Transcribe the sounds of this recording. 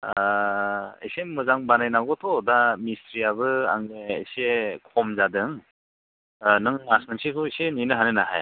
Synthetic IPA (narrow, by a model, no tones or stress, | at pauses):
ḛsemɯzaŋbanajnaɡɔtʰɔdamistɾiaβɯa̰ŋḛːsekʰɔmzadɯŋ | nɯŋasnɯŋsikʰɯeseninɯɦanɯnaɦa̰j